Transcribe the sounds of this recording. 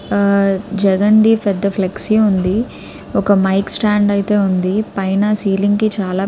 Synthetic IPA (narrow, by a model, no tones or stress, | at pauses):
d͡ʒɛɡɐɳɖipʰɛd̪ːɐpʰleksiund̪i | ɔkɐmɐjksʈaːɳɖɐjt̪e̞ːund̪ipɐjnaːsiːliŋɡkit͡ʃaːlaː